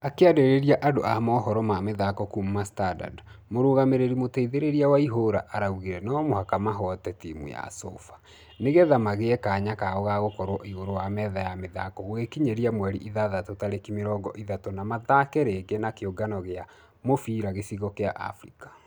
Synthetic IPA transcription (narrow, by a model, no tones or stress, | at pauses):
akeadeɾeɾjaʔadoʔamɔːɦɔɾɔmameðakɔkummastada̰d | moɾoːɣameɾeɾimotɛiðeɾeɾiawaiɦoɾaʔaɾauɣiɾɛnɔmohakamaɦɔtɛtimṵja̰so̰fḁ | neɣeðamaɣeɛkaːɲakaɣɔɣaɣokɔɾwɔʔiɣoɾowamɛðajameða̰kɔɣwekiɲeɾiamwɛɾiʔiðaðatotaɾekimeɾɔːɡɔʔiðatɔnamaðakɛɾeɡenakeoɡanɔɣea | mofiɾaɣesiɣɔkeaʔa̰fɾikḁ